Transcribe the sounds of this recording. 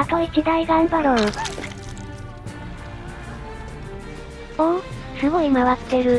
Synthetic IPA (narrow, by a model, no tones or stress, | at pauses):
at̪oit͡ɕid̪aiɡãɰbaɾo | õ | sɨɡo̞imaβat̪ːe̞ɾɯ̟